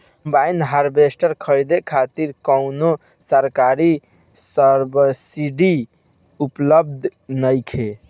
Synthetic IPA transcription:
mbajnɦaɾbesʈəɾkʰəɾd̪ekʰat̪iɾkəʊno | səɾkaɾi | səɾbəɾsiɖi | upləb̚d̪ʱnəjkʰe

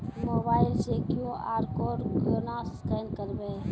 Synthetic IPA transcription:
moːbaːɪlseːkijõːʔaːɾkoːɾɡoːnaːsskeːnkəɾbeː

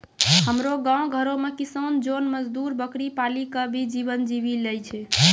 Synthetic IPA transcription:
həmɾoɡãõɡʱəɾõmekisənd͡ʒonməd͡ʒd̪uɾbəkɾipalikəbʱid͡ʒibənd͡ʒibilɛjt͡ʃʰɛ

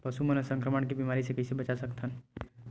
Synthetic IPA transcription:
pɐsumənəsə̃ŋkɾəməɳkibimaːɾisekɪsebɐt͡ʃasɐkt̪ʰən

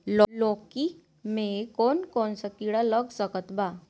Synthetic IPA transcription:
lɔlɔki | mekonkonsakiɽaləɡsəkət̪ba

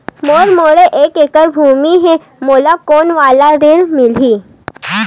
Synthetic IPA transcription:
moːɾmoːɽeʔeːkeːkəɾbʱuːmiɦɛ̃ | moːlakoːnʋaːlaɾɪɽmɪlɦiː

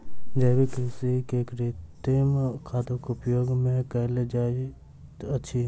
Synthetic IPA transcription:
d͡ʒɐːbikesekeːkɾet̪emkʰaːt̪õkʊpjoːɡmẽkɛɦled͡ʒaːi | ɐtːʃʰi

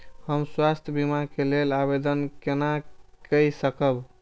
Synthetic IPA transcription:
həmswast̪ʰjəbimakelelabed̪ənkenakəjsəkəb

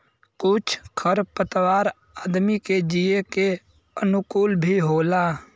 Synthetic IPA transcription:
kʊt͡ʃʰkʰəɾpət̪waːɾ | aːd̪miked͡ʒieke | ənʊkuːlbʱiɦoːla

